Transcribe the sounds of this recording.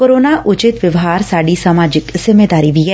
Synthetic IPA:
koːɾoːnaʔʊt͡ʃɪt̪ʋɪʋɦaːɾsaːɖisəmaːd͡ʒɪkz̥ɪmeːd̪aːɾibʱiɦɛː

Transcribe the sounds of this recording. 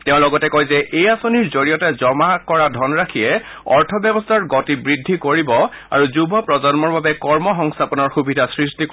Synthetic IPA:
tɛʊ̃lɔɡɔtɛkojzɛʔejasoniɹzoɹijɔtɛzɔmakɔɹadʱɔnɹakʰiɛ | ɔɹtʰɔbjɔbɔstʰaɹɡɔtibɹidʱːikoɹibɔ | a̰ɹuzubʱɔpɹɔzɔnmɔɹbabɛkɔɹmɔxɔŋstʰapɔnɔɹxubidʱasɹistik

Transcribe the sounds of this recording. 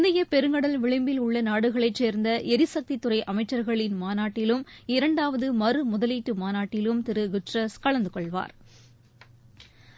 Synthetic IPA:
nd̪ɪjɐpɛɾɯŋɡɐɽɐlʋɪɭɪmbɪlʊɭːɐnaːɽɯɣɐɭɐɪt͡ʃːeːɾnd̪ɐʔɛɾɪsɐk̚t̪it̪ːʊrɐɪʔɐmɐɪt͡ʃːɐɾɣɐɭɪnmaːnaːʈːɪlɯmɪɾɐɳɖaːʋɐðɯmɐrɯmʊðɐliːʈːɯmaːnaːʈːɪlɯmt̪ɪɾɯɡʊʈrɐskɐɭɐnd̪ɯkɔɭʋa̰ːɾ

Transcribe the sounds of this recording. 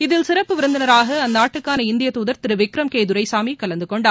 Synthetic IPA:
ɪðɪlsɪɾɐpːɯʋɪɾɯnd̪ɐnɐɾaːɣɐɐnːaːʈːɯkːaːnɐɪnd̪ɪjɐt̪uːðɐɾt̪ɪɾɯʋɪkɾɐmkeːðɯɾɐɪsaːmikɐlɐnd̪ɯkɔɳɖaː

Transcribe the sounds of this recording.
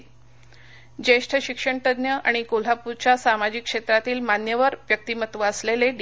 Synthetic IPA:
d͡ʑeʂʈʰəɕikʂəɳʈ̪əd̪njəʔa̰ɽ̃ikol̤apuɾt͡ɕjasamad͡ʑikːʂet̪ɾat̪iːlmanjəʋəɾʋjək̚t̪imət̪ʋəəsleleɖ

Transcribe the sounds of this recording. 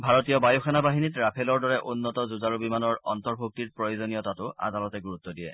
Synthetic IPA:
bʱaɹɔtijɔbajuxʰanabaɦinitɹapʰelɔɹdɔɹɛʔʊnːɔtɔzuzaɹubimanɔɹɔntɔɹbʱuk̚tiɹpɹɔjozɔnijɔtatʊa̰dalɔtɛɡuɹutːɔdijɛ̰

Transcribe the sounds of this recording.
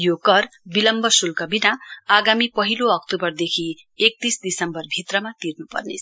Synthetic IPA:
jokʌrbilʌmbʌsulkʌbinaaɡamipʌɦiloʌk̚t̪ubʌrd̪ekʰi | ek̚t̪isd̪isʌmbʌrbʱit̪rʌmat̪irnupʌ̰rnḛsʰ

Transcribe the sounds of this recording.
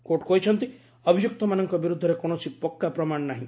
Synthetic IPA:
koʈkoɦit͡ʃʰɔnt̪i | ɔbʱijuk̚t̪ɔmanɔŋkɔbiɾud̪ʱːɔɾekoñɔt͡ʃʰipɔkːapɾɔmaɳ̃ɔnaɦĩ

